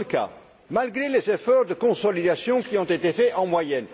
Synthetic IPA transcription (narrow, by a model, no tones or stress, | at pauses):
ka̰ | malɡʁelezefɔʁd̪əkɔ̃sɔlid̪asjɔ̃kʲiɔ̃t̪et̪efɛʔɑ̃mwajɛn